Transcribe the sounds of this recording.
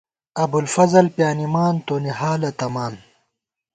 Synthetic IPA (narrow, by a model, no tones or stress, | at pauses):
ɐbulfɐzɐlpjaːnimaːnt̪oːniɦaːlɐt̪ɐmaːn